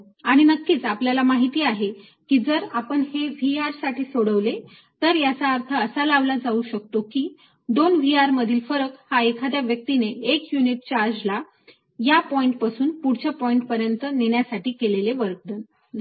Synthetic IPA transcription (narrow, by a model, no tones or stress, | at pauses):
aɽ̃inəkːiːt͡sapljalamaɦit̪iːaɦe | kiːd͡zəɾapəɳheʋiaɾsaʈʰiːsoɽəʋle | t̪əɾjat͡saːɾt̪ʰəːsalaʋlad͡zauɕək̚t̪okiː | d̪onʋiaɾməd̪ʱiːlfəɾəkhaekʰad̪jaʋjək̚t̪ineːkjuniʈ̚t͡ɕaɾd͡ʑla | japɔiɳʈpasuːnpuɽ̤t͡ɕapɔiɳʈpəɾjənt̪əneɳjasaʈiːkeleleʋəɾk̚d̪ən